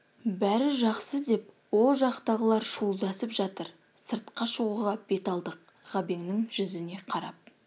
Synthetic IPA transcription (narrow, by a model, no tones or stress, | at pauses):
bæɾɪʒɑqsəd̪e̞pwo̞lˠʒɑqt̪ɑʁəlˠɑɾʃulˠd̪ɑsəpʒɑt̪əɾ | səɾt̪qɑʃuʁuʁɑb̥e̞t̪ɑlˠd̪əq̚ | ʁ̥ɑbe̞ŋnɪŋʒʏzɪne̞qʰɑɾɑp̚